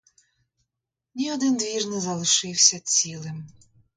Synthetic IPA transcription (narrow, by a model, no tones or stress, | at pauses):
nʲiɔd̪ɪnd̪ʋʲirnɪzɐlˠɪʃɪwsʲɐt͡sʲilˠɪm